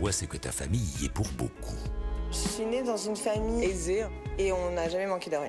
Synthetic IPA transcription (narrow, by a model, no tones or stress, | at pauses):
wasɛkət̪afa̰mijiɛ̰puʁbo̰kʰu | sɥined̪ɑ̃zynfamiɛzeeɔ̃naʒamɛmɑ̃ked̪aʁjɛ̰̃